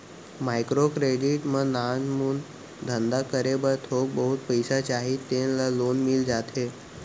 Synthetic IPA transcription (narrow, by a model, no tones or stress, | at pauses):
majkɾokɾeɖiʈmənanmuːn | d̪ʱənd̪akəɾebəɾt̪ʰok̚bəɦut̪̚pəjsat͡ɕaɦit̪ːenlalonmild͡zat̪ʰe